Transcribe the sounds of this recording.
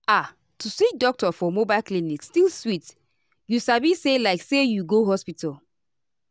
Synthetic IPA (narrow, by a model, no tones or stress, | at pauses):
a | tusik̚dɔk̚tɔfɔmobaɪlklinikstilswit | jusabiselaɪksejuɡoɦɔspital